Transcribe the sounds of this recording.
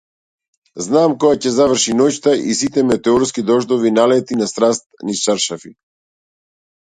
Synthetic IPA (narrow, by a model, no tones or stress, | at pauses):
znaːmkɔjacɛzavr̩ʃinɔct̪aʔisit̪ɛmɛt̪ɛɔɾskid̪ɔʒd̪ɔvinalɛt̪inast̪ɾast̪̚nist͡ʃaɾʃafi